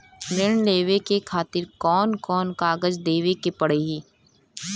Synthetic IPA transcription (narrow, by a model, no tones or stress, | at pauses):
ɾɪɳ̃leːʋekekʰaːt̪ɪɾkɔːnkɔːnkaːɡəd͡ʒd̪eːʋekepɐɽ̤eɦiː